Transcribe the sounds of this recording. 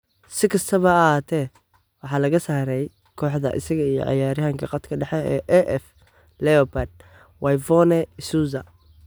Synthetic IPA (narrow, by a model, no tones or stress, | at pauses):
sɪkʰɐst̪ʰɐβɐːɦaːt̪ʰɛː | wɑħɑːlɐɣɐsaːɾɛj | kʰɔːħd̪ɐ̰ʔɪ̰sɐɣɐijɔ̰ʕɑ̰jaːɾɪɦɐŋkʰɐqɑt̪kʰɐɖɛħɛɛːʔɛʔɛf | lɛɔpad̪̚ | wʔɑjvɔnɛsuːzɐ